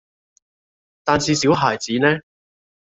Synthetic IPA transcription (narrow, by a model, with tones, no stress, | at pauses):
t̪aː˨˧nsiː˨˧siː˨˥wɦaː˨jt͡siː˨˥nɛː˥